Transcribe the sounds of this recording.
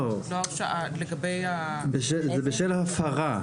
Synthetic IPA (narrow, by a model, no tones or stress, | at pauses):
loafʃaaleɡabejabeʃezebeʃelahafaʁa